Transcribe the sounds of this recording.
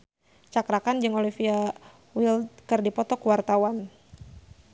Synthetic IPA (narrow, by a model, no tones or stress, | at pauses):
t͡ʃakɾakand͡ʒɨŋolifia | wilkɨrdipɔt̪ɔkuwart̪awan